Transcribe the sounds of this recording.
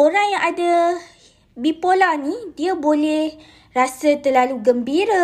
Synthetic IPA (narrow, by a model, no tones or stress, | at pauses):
oɾaŋjaŋada | bipolanidiabolɛh | rasət̪ərlaluɡəmbiɾa